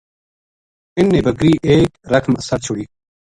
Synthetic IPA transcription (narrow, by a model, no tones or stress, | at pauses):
ɪnːeːbəɡɾiːʔeːkɾɐkʰməsəɾt͡ɕʰʊɽiː